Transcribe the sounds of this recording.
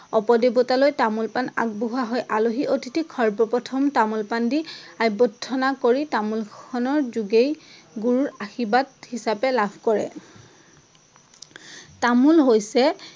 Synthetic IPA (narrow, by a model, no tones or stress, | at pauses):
ɔpɔdebɔtalojtamulpana̰k̚boɦaɦɔjʔaloɦiʔotʰitʰikʰɔɹbɔpɔtʰɔmtamulpandiajbɔtʰːɔnakoɹitamulkʰɔnɔɹzuɡej | ɡuɹuɹaxibathisapɛlabʱkɔɹɛ̰ | tamulɦojsɛ